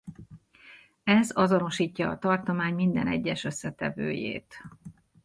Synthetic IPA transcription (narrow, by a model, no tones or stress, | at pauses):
ɛzɒzo̞no̞ʃiːcːɒːt̪ɒrt̪o̞maːɲmind̪ɛnɛɟːɛʃø̞sːɛt̪ɛvøːjḛːt̪